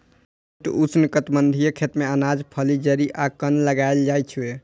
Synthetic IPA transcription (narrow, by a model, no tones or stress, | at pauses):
ʈusnkət̪bənd̪ʱijekʰet̪meənad͡ʒpʰəlid͡ʒəɾiʔakənləɡaeld͡ʒajt͡ʃʰue